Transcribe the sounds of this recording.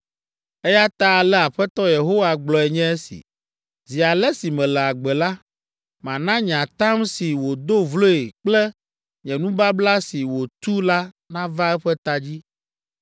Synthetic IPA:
ɛ˦ja˦t̪a˦˨lɛ˦a˨ɸɛ˦t̪ɔ˦je˨ɦo˦wa˦ɡ͡blɔ˨ɛ˨ɲɛ̃˦e˦sḭ˨ | zi˨a˨lɛ˦si˨mɛ̃˨lɛ˨a˨ɡ͡bɛ˨la˦ | mã˨nã˦ɲã˨t̪ã˦msi˨wo˨d̪o˦vlo˦e˨k͡plɛ˦ | ɲɛ̃˨nũ˦ba˦bla˦si˨wo˨t̪u˦la˦ | nã˦va˦ɛ˦ɸɛ˦t̪a˦d͡ʑi˦

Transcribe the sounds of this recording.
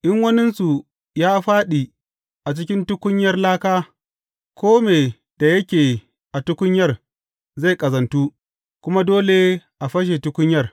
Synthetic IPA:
ʔɪ˦ŋwɐ˦nɪ˦nsu˨ | jaː˦ɸaː˦ɗi˨ | ʔa˨t͡ʃɪ˦kʲɪ˦ntʊ˦kʷʊ˦ɲjɐ˦rlaː˦kaː˦ | kʷoː˦meː˨ | d̥a˨jɐ˦kʲeː˨ | ʔa˨tʊ˦kʷʊ˦ɲjɐ˦r | za˦˨jkʼɐ˨zɐ˨ntuː˦ | kʷʊ˦ma˦doː˦le˦ʔa˨ɸɐ˦ʃ̬e˨tʊ˦kʷʊ˦ɲjɐ˦r

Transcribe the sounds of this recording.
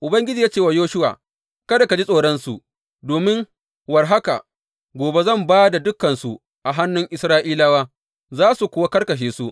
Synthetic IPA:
ʔʊ˨bɐ˦ŋɡʲɪ˦d͡ʒiː˨jaː˦t͡ʃeː˦˨wa˨joː˦ʃʊ˦wa̰ː˨ | kɐ˦da˨ka˨d͡ʒi˦sʼoː˨ɽɔ˦nsu˨ʔ | doː˨mɪ˦ŋ | wɐ˨rɦa˦ka̰˨ | ɡʷoː˨be˦zɐ˦˨mbaː˦da˨dʊ˦kːɐ˨nsu˨ | ʔa˨ɦa˦nːʊ˦ŋʔɪ˨sɾaː˦ʔiː˦laː˦waː˦ | zaː˦su˨kʷʊ˦wa˦kɐ˦rkɐ˨ʃ̬eː˨su˦ʔ

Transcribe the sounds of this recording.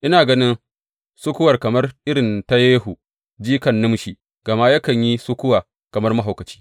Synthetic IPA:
ʔɪ˦naː˨ɡɐ˦nɪ˦n | sʊ˦kʷʊ˦wɐ˨rkɐ˨mɐ˦rʔɪ˦ɾɪ˨nta˦jeː˦ɦu˨ | d͡ʒiː˦kɐ˨nːʊ˦mʃi˨ | ɡ̥ɐ˨ma˦jɐ˦kɐ˨ɲji˦sʊ˦kʷʊ˦waː˨ | kɐ˨mɐ˦rmɐ˦ɦa˨wkɐ˨t͡ʃi̥ː˦

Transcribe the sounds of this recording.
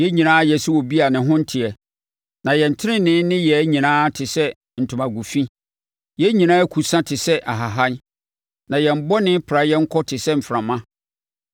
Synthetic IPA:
jɛ˦ɲĩ˨nãː˦jɛ˨su˦wɔ˨bi˦a˨nɪ̃˨ɦʊ̃˦n̩˦tʰɪ˨ɛ˨ | nã˨jɛ˨n̩˨tʰɪ˦ɾɪ̃˦nɪ̃˦nɪ̃˦jɛ˨˦ɲĩ˨nãː˦tʰɪ˨sɛ˦ | n̩˨tʰʊ̃˨mã˨ɡu˨fĩ˦ | jɛ˦ɲĩ˨nãː˦kʰu˨sã˦tʰɪ˨sɛ˦ʔa˨ɦa˨ɦa˦n | nã˨jɛ˨m̩˨bɔ˦nɪ̃˦pʰɾa˨jɛ˦ŋ̩˦kʰɔ˦tʰɪ˨sɛ˦m̩˨fɾã˨mã˦

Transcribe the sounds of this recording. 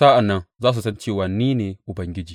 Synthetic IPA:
sa˦a˨nːɐ˦nzaː˦s̬u˨sɐ˦nt͡ʃe˦wa˨nːiː˦ne˨ʔu˨bɐ˨ŋɡʲi˦d͡ʒiː˨

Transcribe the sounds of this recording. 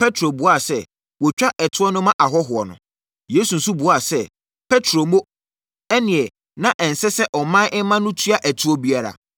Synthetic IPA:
pʰɛ˦tʰɾo˨bʊ˨˦a˨sɛ˦ | wɔ˨t͡ɕᶣa˦ʔɛ˨tʰʊ˦ɔ˦nʊ̃˦mã˦ʔa˨ɦɔ˦ɦʊ˨ɔ˨nʊ̰̃˨ | je˨˦su˨n̩˨su˦bʊ˨a˦˨sɛ˦ | pʰɛ˦tʰɾo˨mo˦ | ɛ˦nɪ̃˨ɛ˨ | nã˦ʔɛ˨n̩˨sɛ˦sɛ˦ʔɔ˨mã˦ʔɛ˦mã˦nʊ̃˦tʰɥa˦ʔæ˨tʰu˦ɔ˦bi˦a˦ɾa̰˨

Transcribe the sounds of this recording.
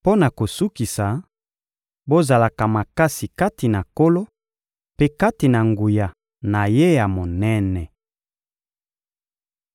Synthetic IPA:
po˦na˨ko˨su˦ki˨sa˨ | bo˦za˨la˨ka˨ma˨ka˦si˨ka˦ti˨na˨ko˦lo˦ | pe˦ka˦ti˨na˨ŋɡu˨ja˨ | na˨je˦ja˨mo˨nɛ˦nɛ˨

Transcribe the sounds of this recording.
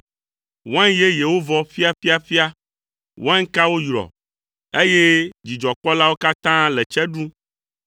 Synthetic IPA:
wɛ̃˦ŋje˦je˨wo˦vɔ˦fi˦a˦fi˦a˦fi˦a˦ | wɛ̃˦ŋ˦ka˦wo˦jɾɔ̰˨ | e˦je˦d͡ʑi˨d͡ʒɔ˨k͡pɔ˦la˦wo˦ka˦t̪ã˦lɛ˨t͡ʃɛ˦ɖũ˦

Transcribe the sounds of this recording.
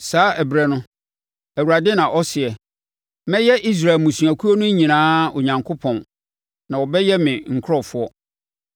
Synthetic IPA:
saː˦ʔɛ˨bɾɛ˦nʊ̃˦ | æ˨wu˨ɾa˨dɪ˦nã˨ʔɔ˦sɪ˨ɛ˨ | mɛ̃˦jɛ˦ʔi˦s̬ɾa˨lmũ˨sũ˨æ˨kʰu˦o˦nʊ̃˦ɲĩ˨nãː˦o˨ɲã˨ŋkʰo˦pʰɔ̃˨n | nã˨wɔ˨bɛ˦jɛ˦mɪ̃˨ŋ̩˨kʰɾɔ˦˨fʊ˦ɔ˦

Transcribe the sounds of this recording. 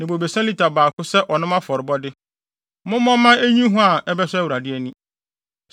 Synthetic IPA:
nɪ̃˨bo˨be˨sã˦li˨tʰa˨baː˨kʰʊ˦sɛ˦ʔɔ˨nʊ̃˦mã˦fɔ˨ɾɪ˨bɔ˦dɪ˦ | mʊ̃˦mɔ̃˦mã˦e˦ɲĩ˦ɦʊ̃˦a˨ɛ˦bɛ˦sɛ˦æ˦wu˨ɾa˨dɪ˦ɛ˦nĩ˦

